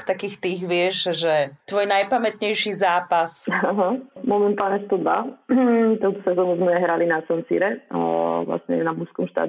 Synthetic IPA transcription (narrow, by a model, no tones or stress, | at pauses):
kt̪akiːxt̪iːɣʋɪɛʒʒɛt̪ʋɔːjnajpamɛt̪ɲɛjʃiːzaːpasaɦamɔmɛnt̪aːlɲɛst̪ɔd̪ba̰ | t̪ɔʊt̪ɔsɛzɔnuzmɛɦɾalinasɔnsḭɾɛ | ʋla̰sɲɛ̰namuskɔmʃt̪a̰ːd̪